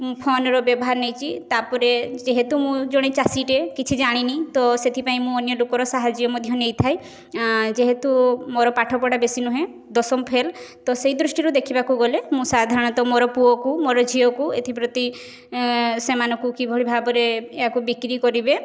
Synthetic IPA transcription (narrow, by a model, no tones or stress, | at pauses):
mũpʰɔnɔɾɔbjɔbɔɦaɾnejt͡ʃʰit̪apɔɾed͡ʒeɦet̪umũd͡ʒoɽ̃et͡ʃasiʈekit͡ʃʰid͡ʒaɽ̃init̪ɔset̪ʰipaĩmũɔnjɔlukɔɾɔsaɦad͡ʒiɔmɔd̪ʱjɔnejt̪ʰaj | d͡ʒeɦet̪umoɾɔpaʈʰɔpɔɽabesinuɦẽ | d̪ɔsɔmɔpʰelt̪ɔsejd̪ɾusʈiɾud̪ekʰibakuɡɔlemũsad̪ʱaɾɔɽ̃ɔt̪ɔmoɾɔpuɔkumoɾɔd͡ʒʱiɔkuet̪ʰipɾɔt̪i | semanɔkukibʱɔɭibʱabɔɾeeakubikɾikɔɾibe